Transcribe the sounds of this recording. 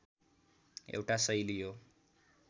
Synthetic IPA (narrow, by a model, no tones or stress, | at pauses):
ḛwʈasʌjlijo